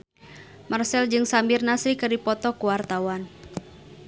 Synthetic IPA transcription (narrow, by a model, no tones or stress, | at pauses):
marsɛld͡ʒɨŋsambirnasɾikɨdipɔt̪ɔkuwart̪awan